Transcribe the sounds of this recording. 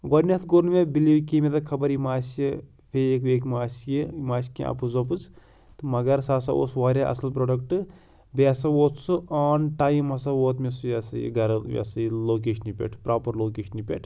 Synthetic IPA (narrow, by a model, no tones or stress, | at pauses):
ɡɐnʲɐt̪ʰɡoɾnmebilikimet̪ɐkʰɐbɐɾimaːsi | fʰeeːkeːkmaːsjemaːskḭ̃ʔɐ̰pɨzɐp̬ɨt͡s | t̪ɨmɐɡɐɾsaːsɐo̰sʋaːɾʲaʔɐ̰sɐlpɾoːɖɐk̚ʈɨ | besɐwoːt̪suaːnʈaːjimɐsɐwoːt̪mesujasɨjḭɡɐɾmʲḛsɨloːk̬eːʃnipʲḛʈʰpɾaːpɐɾloːkeːʃɐnipʲḛʈʰ